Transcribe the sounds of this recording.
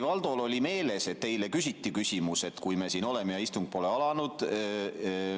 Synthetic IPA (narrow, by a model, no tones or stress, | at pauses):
vɑld̪̥o̞lo̞lʲime̞ːle̞se̞t̪̚t̪e̞jle̞kysʲit̪ːikysʲimuse̞t̪kujme̞ːsiːno̞le̞mejɑist̪uŋɡ̥̚po̞ːle̞ɑlɑnud̪̥